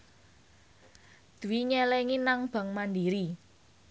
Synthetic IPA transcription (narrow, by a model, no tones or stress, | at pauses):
d̪̥ṳwiɲɛlɛŋinaŋb̥ä̤ŋmandiɾi